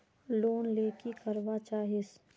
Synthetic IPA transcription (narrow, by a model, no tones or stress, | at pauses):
loːnleːkikɐɾʋat͡ʃaːɦɪs